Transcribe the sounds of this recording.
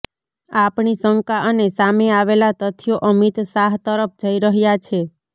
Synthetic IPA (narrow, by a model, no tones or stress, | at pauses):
apɳisəŋkaʔənesameaʋelat̪ət̪ʰjoʔəmit̪saɦt̪əɾəp̚ʰd͡ʒəiɾəɦjat͡ʃʰe